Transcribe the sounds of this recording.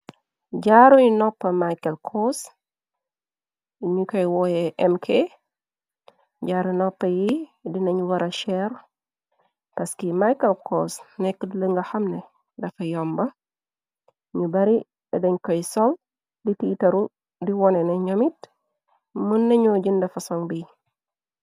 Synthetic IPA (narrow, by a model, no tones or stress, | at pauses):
ɟaɾuɲunɔpːɐmajkɐlkʰɔs | ɲukɔjwɔjɛʔɛmkʰe | ɟaːɾunɔpːɐjidinɐɲuwɐɾɐʃɛr | pɐskimajkɐlkɔsnɛkːədləŋɡɐxɐmnɛ | dɐfɐjɔmbɐ | ɲubɐɾi | ɛdɐɲkɔjsɔl | ditiːtɐɾu | diwɔnɛnɐɲɔmit̚ | mənːɐɲɔɟindɐfɐsɔŋbij